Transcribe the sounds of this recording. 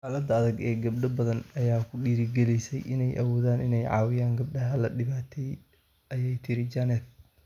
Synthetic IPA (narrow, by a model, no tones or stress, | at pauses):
ħaːlɐd̪ɐɐðɐɡɛːɡɐbɖɐbɐðɐnɐjaːkʰʊɗiːɾɪɡɛlɛjsɛ̰jʔɪnɛjʔɐ̰wɔːðaːnɪnɛjʕɑ̰ːwɪjaːŋɡɐb̚ɖɐɦɐlɐɗɪβaːt̪ʰɛj | ʔɐjɛjt̪ʰɪɾɪd͡ʒɐnɛt̪